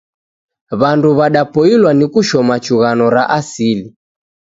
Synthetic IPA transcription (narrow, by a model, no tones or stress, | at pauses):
βanduβaɗapɔilwanikuʃɔmat͡ʃuɣanɔɾaʔasili